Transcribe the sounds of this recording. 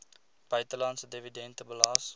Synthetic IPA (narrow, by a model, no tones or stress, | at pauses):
b̥ɐjt̪əlansədevidɛ̃nt̪əbəlɑːs